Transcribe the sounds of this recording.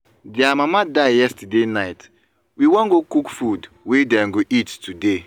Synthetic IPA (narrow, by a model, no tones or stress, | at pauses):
diamamadaɪjɛstadenaɪt | wiwɔ̃ŋɡokukfud | wedɛ̃ŋɡoʔittude